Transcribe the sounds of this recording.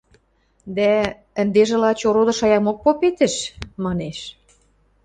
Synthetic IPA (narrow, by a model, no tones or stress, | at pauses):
d̪æ | ə̆nd̪eʒĕlɑt͡ɕoɾod̪ɤ̆ʃɑjɑmok̚popet̪ɘ̆ʃmɑneʃ